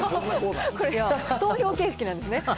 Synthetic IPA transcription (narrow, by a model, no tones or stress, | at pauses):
koɾeat̪o̞ːço̞ːke̞ːɕi̥kinãnd̪e̞sɨne